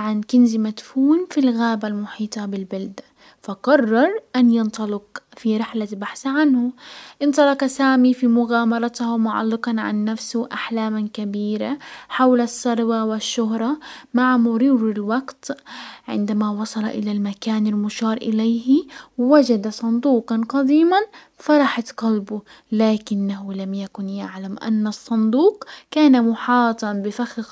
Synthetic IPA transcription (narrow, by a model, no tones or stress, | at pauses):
ʕankɪnzɪmat̪fuːnfilɣaːbalmʊħiːt̪ˤɑbɪlbɪld̪a | faqɑrˤːɑɾˤʔanjɪnt̪ˤɑlɪqfiɾɪħlabaħsaʕanhʊʔɪnt̪ˤɑlɑqɑsaːmifimʊɣaːmɑɾˤɑt̪hamʊʕa̰lːɪqɑnʕa̰nːafsʊʔaħlaːmankabiːɾaħawlasˤːɑɾˤwɑwɪʃːʊɦɾˤɑmaʕmʊɾuːɾɪlwɑɡt̪ʕɪ̰nd̪amawɑsˤɑlɑ̰ʔɪ̰lalmakaːnalmʊʃɑːɾˤʔɪ̰lejhwad͡ʒad̪asˤɑnd̪uːqɑnqɑd̪iːman | fɑɾˤɑːħat̪qɑlbʊ | laːkɪnːaɦʊlamjakʊnjaʕlamʔa̰nːɑsˤːɑnd̪uːqkaːnamʊħɑːt̪ˤɑnbɪfax